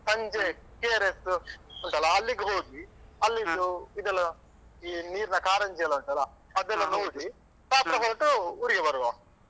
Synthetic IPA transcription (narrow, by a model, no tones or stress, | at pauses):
sɐɲd͡ʒeːpiaːɾesuɳʈɐːlaːlːiɡiɦoːɡ̪iɐlːid̪uid̪ɐlɐ | iniːɾunɐkaːɾɐɲd͡ʒejlɐuɳʈɐːla | ɐd̪ɐlːɐnoːɽi | paːt̪ɾɐɦoːʈɐuɾiɡebɐɾʋa